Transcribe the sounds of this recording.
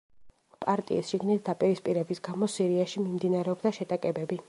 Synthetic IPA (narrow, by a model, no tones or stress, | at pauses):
pʼaɾt̪ʼḭisʃiɡnit̪̚ʰd̪apʼiɾispʼiɾɛbisɡamɔsiɾiaʃimimd̪inaɾɛɔbd̪aʃɛt̪ʼakʼɛbɛbi